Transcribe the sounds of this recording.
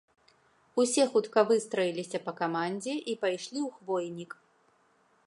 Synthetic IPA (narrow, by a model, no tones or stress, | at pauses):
usʲɛxut̪kɐvɨst̪ɾɐjilʲisʲɐpɐkamanʲd͡zʲɛʔipajʂlʲiwxvɔjnʲik